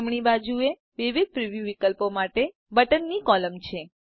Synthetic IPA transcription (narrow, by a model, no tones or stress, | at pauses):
mɳ̃ibad͡ʒue | ʋiʋid̪̚pɾiʋjuʋikəlpomaʈe | bəʈənːikɔləmt͡ʃʰe